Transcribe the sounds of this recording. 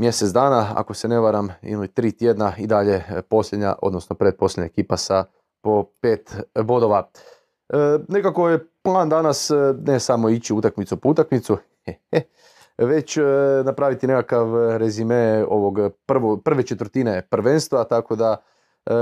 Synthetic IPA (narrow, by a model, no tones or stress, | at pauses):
mje̞set̪d̪aːnaa̰ko̞sene̞ʋaɾamḭlit̪ɾiːt̪jed̪naid̪aʎe̞po̞slʎʲed̪ɲa̰ʔo̞d̪no̞snopɾed̪̚po̞slʲjedɲa̰ekiːpasa | po̞peːt̪ʋo̞d̪o̞ʋa | ne̞kako̞jeplˠaːnd̪anasnesamo̞it͡ɕiut̪akmit̪supout̪akmit̪su | ee | ʋe̞t͡ɕnapɾaːʋit̪ine̞kakaʋɾezimeo̞ʋoɡpr̩ʋopr̩ʋet͡ʃet̪ʋəɾ̩t̪ine̞pr̩ʋenst̪ʋat̪ako̞d̪a